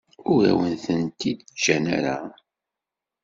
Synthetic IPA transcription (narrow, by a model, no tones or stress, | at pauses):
ʊɾæ̰wənθənt̪id̪ʒænaɾa